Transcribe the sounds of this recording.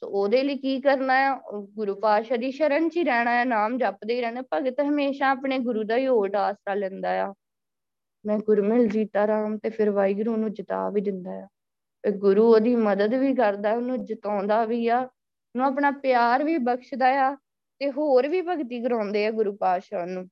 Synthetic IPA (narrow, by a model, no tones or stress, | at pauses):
t̪o̰oːd̪eːliːkiːkəɾnaːjaːɡʊɾuːpaːʃaːd̪iːʃəɾənt͡ʃiːɾɛːɽ̃aːjaːnaːmd͡ʒapd̪eːiːɾɛːneːpəɡt̪ɦəmeːʃãːaːpɳeːɡʊɾuːd̪aːiːoːʈaːsɾaːlɛ̃nd̪aːjaː | mɛ̃ːɡʊɾmɪld͡ʒiːt̪aːɾəmt̪eːpʰɪɾʋaːiːɡʊɾuːnũːd͡ʒɪt̪a̰ːʋiːd̪ɪnd̪aːjaː | peːɡʊɾuːoːd̪iːməd̪əd̪ʋiːkəɾd̪aːɛːʊnũːd͡ʒət̪ãːnd̪aːʋiːaː | nũːapɳaːpjaːɾʋiːbəkʃd̪aːjaː | t̪eːɦoːɾʋiːpəɡt̪iːɡəɾãːnd̪eːaːɡʊɾuːpaːʃaːnũː